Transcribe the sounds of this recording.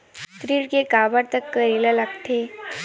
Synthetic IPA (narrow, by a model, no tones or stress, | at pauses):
t̪ɾiɭɡeɡabəɾt̪əkːəɾilalaɡt̪ʰe